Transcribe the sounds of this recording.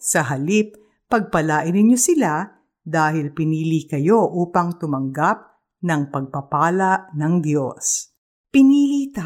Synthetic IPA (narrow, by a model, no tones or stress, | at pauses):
sɐɦɐlip̚ː | ɐɡ̚pɐlaːʔɪnɪnɲosɪla | d̪aːhɪlpɪniːlikɐjo̞ʔuːpɐŋt̪ʊmɐŋɡap̚ | nɐŋpɐɡ̚pɐpaːlɐʔnɐŋd̪jo̰s | pɪniːlit̪a